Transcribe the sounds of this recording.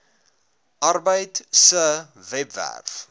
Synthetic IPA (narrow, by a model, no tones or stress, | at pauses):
ʔɐrbəjtsə | vɛpvæ̰rf